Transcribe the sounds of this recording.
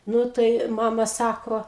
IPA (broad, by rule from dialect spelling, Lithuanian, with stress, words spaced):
ˈnʊ tɐɪ ˈmɑːmɐ ˈsɑːkoː